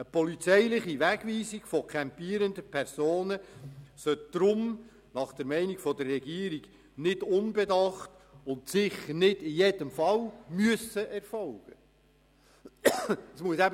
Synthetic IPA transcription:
əpɔlit͡sɛɪlɪχiʋæɡ̥ʋiːsiɡ̥fɔkʰɛmpiːəɾəndəpʰɛɾsoːnəsœt̚d̪̥ɾʊm | nɑχd̥əɾmɛɪniɡ̥fɔd̪ərːɛɡiəɾiɡ | nɪdʊnbɛdɑχt | ʊntsɪχəɾnɪdɪjedəmfɑlmyəsːəʔɛrfɔlɡ̥ə | əsmuəsæb

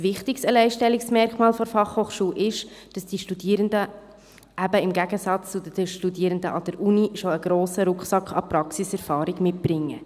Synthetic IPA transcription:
sʋɪχt̪ɪkstəlɛɪʃtɛlːiksmɛɾkmɑːlfɔɾfɑχhoːχʃuːʔɪʃd̥ɑsd̥iʃtudiːɾəndə | ʔæbəɪmɡæɡəsɑt͡st͡sʊdəʃtudiːəɾəndəʔɑd̥̪əɾʔuniʃoəɡ̥ɾoːsəɾʊkχsɑkχɑ̰pɾɑksisɛɾfɑːɾɪɡmɪt̚b̥ɾɪŋːə

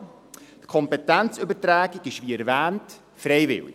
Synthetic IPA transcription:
tkʰɔmpɛtænt͡sɵbətɾæːɡiɡɪʃʋiɛɾʋæːnt | fɾɛjvɪ̰lḭ

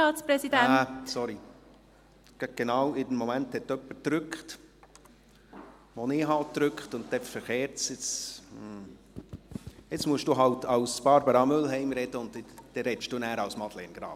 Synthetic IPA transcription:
ɑːt͡spɾɛsid̥ææsɔɾi | ɡ̥ɡ̥enɑːwɪdɛnmɔmænthɛt̪ːœpːətɾʉkχt | ʋonɪɦɑːttːɾʏkχtʊnt̚t̪ɛfəɾχeːɾt͡sjɪt͡sm̩ | jɪt͡smuəʃd̥uːɦɑltʰɑwsb̥ɑɾbəɾɑmʉlɦɛɪmɾɛd̥əʊntd̥̪ɛɾɛtʃd̥uːnæːɾɑwsmɑd̥̪lɛnɡ̥ɾɑ̰ːb

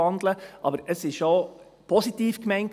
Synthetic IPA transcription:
ɑndləʔɑ̰bəɾəsɪʃo | pʰɔsitiːfkmæɪnt

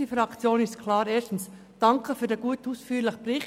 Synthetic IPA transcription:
ifɾɑkt͡sjoːnɪstkʰlɑːɾeːstn̩s | d̥ɑŋkʰəfyːdeːɡuətuːsfyːlɪχəbɾɪ

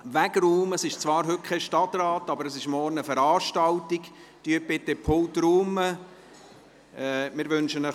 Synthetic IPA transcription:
ʋæɡɾuːməsɪʃt͡svɑːɾɦɵt̚kʰɛʃtɑtrɑːtɑbəɾəsɪʃmɔrnəfəɾɑːʃtɑltik | tyəbɪt̪ːepʰoltɾuːmə | mɪɾʋʏnʃənə

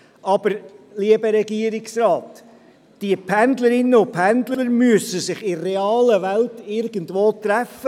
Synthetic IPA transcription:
ɑbəɾliəbəɾɛɡiəɾɪksɾɑːtː | d̥iəpʰændləɾɪnːəʊpʰændləəɾmyəsəsɪχɪːɛɑːləʋæltɪɾɡəndvoːtɾæfə

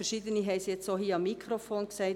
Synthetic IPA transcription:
ɛɾʃid̪əniɦɛɪsiɛt͡soːɦiːɑmːikʰɾofoːnksɛɪ

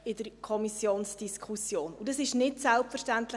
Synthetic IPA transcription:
ɪdəɾkʰɔmisjoːnsd̥iskʰusjoːnud̥ɑsɪʃnɪtsɛlpfəɾʃtæntlɪ

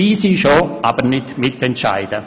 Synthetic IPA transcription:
iːsiːʃoʔaːbəɾnɪtmɪtɛntʃa̰ɪd̥ə

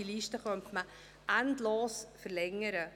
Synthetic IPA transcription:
iliʃtəχœntmə | ʔændloːsfəɾlɛŋːəɾə

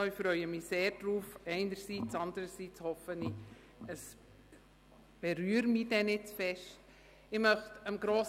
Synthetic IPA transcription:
ɪfɾœʏəmiseːɾd̥ɾuːfɛɪnəɾsiːt͡sɑndəɾəsiːt͡shɔfəni | əs | b̥eɾyːəɾmid̥ɛnɪt͡sfɛʃt | ɪmœχtəmɡɾoːs

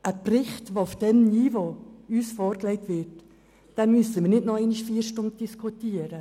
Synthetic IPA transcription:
ʔəprɪχtʋoʊfd̥ɛmniːvoyːsfɔːɾklɛɪtvɪɾtː | d̥ɛnmysəmiːɾnɪtnɔɛɪniʃfiːɾʃtʊnt̚d̥iskʰutiːəɾə

